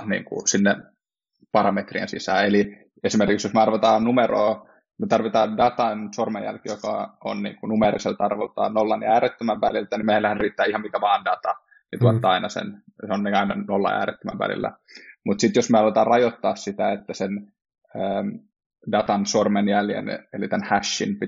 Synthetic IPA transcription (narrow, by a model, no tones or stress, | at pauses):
nḭːŋkṵsinːe | pɑrɑmet̪rḭḛnsḭsæːeli | esimerkiksjosmeɑrʋɑt̪ɑːnnumeroː | met̪ɑrʋit̪ɑːndɑt̪ɑnsormejjæ̰lkijokɑ̰o̰nnḭːŋkunumerḭselt̪ɑrʋelt̪ɑ̰ːnolːɑniæːɾet̪ːømæʋʋælilt̪ænimelæhænriːt̪ːæːihɑmikæʋɑːndɑt̪ɑ | nit̪uɑt̪ːɑɑinɑsḛnseonniɑinɑnolːɑ̰æ̰ːɾḛt̪ːømæ̰ʋʋæ̰lḭlːæ̰ | mut̪sit̪josmeɑrlʋot̪ɑːrɑjot̪ːɑːssit̪æet̪ːæsen | əː | dɑt̪ɑnsormenjæljḛnelit̪ænhæʃːḭnpi